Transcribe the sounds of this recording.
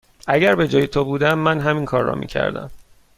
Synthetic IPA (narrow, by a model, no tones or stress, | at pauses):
ʔæɟæɾbe̞d͡ʒɒːjet̪ʰobuːd̪æmːænɦæminkʰɒːrːɒ̰ːmḭːcʰæ̰ɾd̪æ̰m